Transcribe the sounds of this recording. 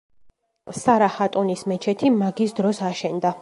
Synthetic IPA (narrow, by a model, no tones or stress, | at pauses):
saɾahat̪ʼɔnismɛt͡ʃʰɛt̪ʰimaɡisd̪ɾɔsaʃɛnd̪a